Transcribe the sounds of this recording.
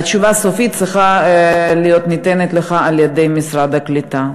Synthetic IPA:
att͡ʃuvasofit̪̚t͡ssʁiχalijot̪nit̪enet̪leχaaljed̪ejmisɾad̪aklit̪a

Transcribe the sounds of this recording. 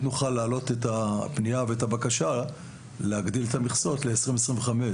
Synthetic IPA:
nuχalːaːlo̞tetapnijaveetabakaʃa | leaɡd̪iletamiχso̞tle̞esʁimesʁimveχame

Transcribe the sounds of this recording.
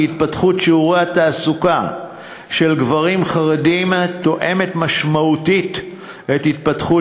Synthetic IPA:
it̪̚patχutʃiuʁeataːsuka | ʃe̞lɡvaʁimχaʁedimto̞ʔe̞me̞tmaʃmautit | ethit̪̚patχu

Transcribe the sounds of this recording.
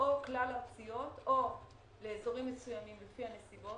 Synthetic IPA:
ʔoklalaʁsijo̞to̞ | le̞ːzo̞ʁimːesujamimlefihane̞sibo

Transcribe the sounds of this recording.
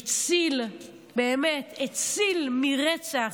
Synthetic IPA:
t͡sil | beːmetʰet͡silmiʁet͡saχ

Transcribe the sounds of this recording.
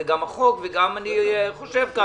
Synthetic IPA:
ɡamaχokveɡamaniχoʃevka

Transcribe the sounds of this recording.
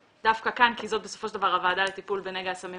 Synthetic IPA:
d̥afkakankizo̞t̪̚be̞so̞foʃeldavaʁavaːdalet̪ipulbeneɡaːsami

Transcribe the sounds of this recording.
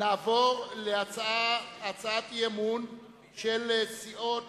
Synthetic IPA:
naːvoʁleat͡saaat͡saat̪jemun | ʃelesiʔot

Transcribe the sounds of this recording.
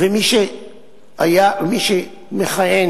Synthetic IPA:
vemiʃe | ajamiʃe | meχajen

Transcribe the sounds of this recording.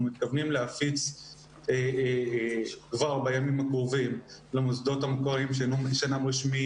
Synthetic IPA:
mit̪̚kavnimleafit͡s | e | kvaʁbajamimakʁuvimlemusd̪o̞tamekoʁimʃenuʃanamʁiʃmi

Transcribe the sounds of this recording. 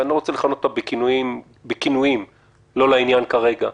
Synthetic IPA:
aniʁot͡seleχanototabekinuim | bekinujim | lo̞lainjankaʁe̞ɡa

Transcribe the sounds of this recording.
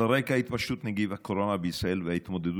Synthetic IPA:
aʁekahahit̪paʃut̪neɡivhako̞ɾo̞nabeisʁae̞lvehait̪mo̞d̪ed̪

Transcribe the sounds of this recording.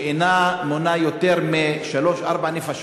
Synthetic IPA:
inamonajot̪eʁmeʃalo̞ʃʔaʁbanifaʃ

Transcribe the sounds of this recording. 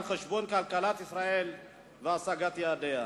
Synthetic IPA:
nχeʃbo̞nkalkalat̪isɾael | veasaɡat̪jead̪ea

